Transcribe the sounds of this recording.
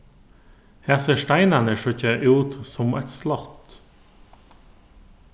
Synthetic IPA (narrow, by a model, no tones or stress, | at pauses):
hæːʁseːʂʈæɪnanəʂɔçəʔʉːt̪sɔmæ̰t̪slɑt̪